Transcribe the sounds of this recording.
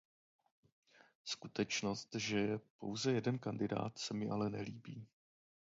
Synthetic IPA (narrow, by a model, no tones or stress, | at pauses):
skut̪ɛt͡ʃno̞st̪ʒɛjɛpo̞wzɛjɛdɛnkandɪda̰ːt̪sɛmɪʔalɛnɛliːbiː